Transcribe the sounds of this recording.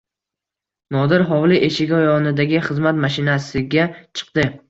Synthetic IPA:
nɒd̪ɪɾɦɒwlɪʔeʃɪɡʲɒjɒnɪd̪aɡʲɪχɨzmat̪maʃɪnasɪɡʲat͡ʃʰɨ̥qd̪ɪ

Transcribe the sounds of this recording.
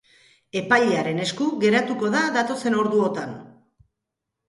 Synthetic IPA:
e̞pajʎeaɾe̞ne̞skuɣe̞ɾat̪uko̞ðaðat̪o̞se̞no̞ɾðuo̞t̪an

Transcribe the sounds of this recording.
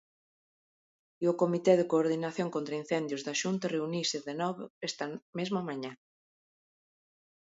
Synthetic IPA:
iʊkomit̪ɛðekoːɾðinaθjoŋkont̪ɾɐin̟θɛnd̪jʊzðaʃunt̪ɐreunisɪðenɔβoest̪ɐmezmʊamaɲa

